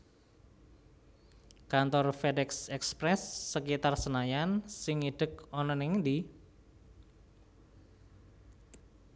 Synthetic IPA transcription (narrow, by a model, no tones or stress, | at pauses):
kant̪ɔrfedɛksɛkspɾɛsːəkit̪arsənajansɪŋiɖ̥əkɔnɔnɪŋnd̪i